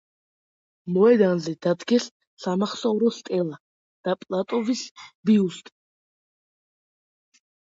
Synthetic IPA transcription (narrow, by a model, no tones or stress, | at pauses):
mɔɛd̪anzɛd̪̥ad̪ɡɛsː | amaχsɔuɾɔst̪ʼɛlˠa | d̪̥apʼlˠat̪ʼɔvisbiust̪ʼ